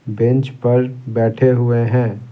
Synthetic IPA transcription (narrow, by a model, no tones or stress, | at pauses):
bẽnt͡ʃpɐɾbɛːʈʰeɦʊeɦɛ̃ː